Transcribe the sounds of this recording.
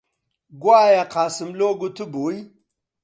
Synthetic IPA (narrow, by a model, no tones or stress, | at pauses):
ɡwajaqasimloɡutubui